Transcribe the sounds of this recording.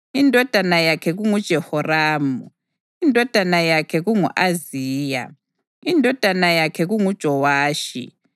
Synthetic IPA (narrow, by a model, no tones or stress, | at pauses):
indʱɔd̥ʱanajakʰɛɣuŋud̥ʒ̥ʱɛhɔraːmu | indʱɔd̥ʱanajakʰɛɣuŋuʔaziːja̰ | indʱɔd̥ʱanajakʰɛɣuŋud̥ʒ̥ʱɔwaːʃḭ